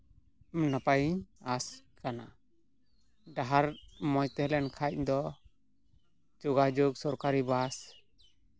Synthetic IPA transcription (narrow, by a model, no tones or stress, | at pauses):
napajiɲaskana̰ | ɖaɦaɾmɔjt̪ɛhlɛnkʰac̚d̪ɔ | d͡ʒuɡad͡ʒuɡ̚sɔɾkaɾibas